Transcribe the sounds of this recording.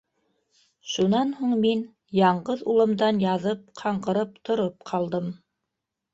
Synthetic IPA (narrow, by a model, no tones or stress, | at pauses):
ʃunɑnhuɴmin | jɑɴɢɤðulˠɤ̆md̪ɑnjɑðɤp̚qʰɑɴɢɤ̆ɾɤp̚t̪ʰŏɾop̚qʰɑlˠd̪ɤm